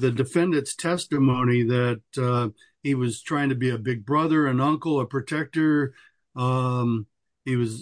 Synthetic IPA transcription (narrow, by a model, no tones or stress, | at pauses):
ðɨdɨfɛ̃ndɨ̃ntstʰɛstɨmõʊ̃ñiðɨt̚ | hiwʌz̥tʰɹ̥aɪɪ̃ŋtʰɨbiɨbɪɡ̚bɹʌðə˞ɨ̃nʌ̃ŋkl̩ˠəpʰɹ̥ɨtʰɛk̚tə˞ | iwʌz